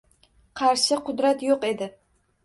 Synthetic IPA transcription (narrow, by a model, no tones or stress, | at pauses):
qʰɑɾʃɪqʰʊd̪ɾat̪joqe̞d̪ɪ